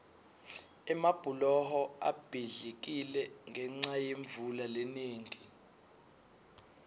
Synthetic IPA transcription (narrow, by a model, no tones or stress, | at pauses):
ɛmab̥ʱulɔhɔa̰b̥ʱiɮik̬ilɛŋʱɛŋ͡ǀajeɱvulaleneːŋʱi